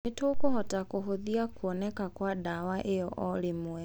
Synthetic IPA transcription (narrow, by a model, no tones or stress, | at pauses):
etokuhɔtakuɦuðiakuɔnɛkakwadawaʔejɔʔɔlimwɛ